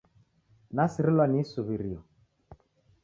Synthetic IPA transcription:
nasiɾilɔnisuβiɾiɔ

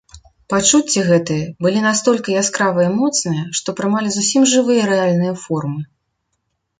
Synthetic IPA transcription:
pat͡ʂut͡sʲːiɣɛt̪ɨjɐbɨlʲinast̪ɔlʲkʲijaskɾavɐjimɔt̪snɨjɐʂt̪ɔpɾɨmalʲizusʲimʐɨvɨjɐɾɛalʲnɨjɐfɔrmɨ

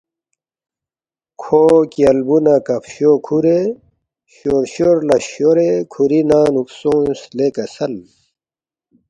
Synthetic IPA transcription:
kʰoːkiɐlbunakɐpɕokʰuɾe | ɕoːɾɕoːɾlɐɕoɾekʰuɾinaːnuksõːslekɐsɐl

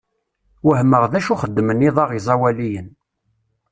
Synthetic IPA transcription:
wəhmːəʁðæʃuχəd̪ːməniðˤɑʁizˤɑwælijən

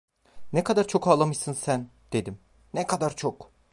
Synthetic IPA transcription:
nɛkʰad̪aɾt͡ʃʰo̞kaːlˠamɯjsɯnsænd̪̥e̞d̪im | nɛkʰad̪aɾt͡ʃʰok

